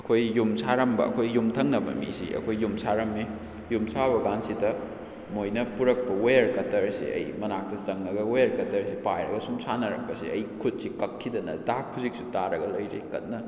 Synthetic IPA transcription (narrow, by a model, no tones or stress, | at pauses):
ɐkʰojːumsʰaɾɐmbɐ̰ɐ̰kʰojːumtʰɐŋnɐbɐ̰mḭsḭɐ̰kʰojːumsʰaɾɐmːe | jumsaβɐɡansidɐ | mojnɐpuɾɐk̚pɐwejɐɾkɐtɐɾsḭʔɐ̰jmɐnak̚tɐsɐŋnɐɡɐwajɐɾkɐtɐɾsipajɾɐ̰ɡɐsumsanɐɾɐ̰k̚pɐsḭɐjkʰut̚sikɐkʰːidɐnɐ̰dakʰːuzik̚sutaɾɐɡɐlɐjɾḛkɐt̚nːɐ